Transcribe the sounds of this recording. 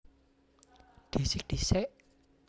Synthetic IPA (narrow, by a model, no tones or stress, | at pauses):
d̪̥i̤sɪk̚d̪̥isɛʔ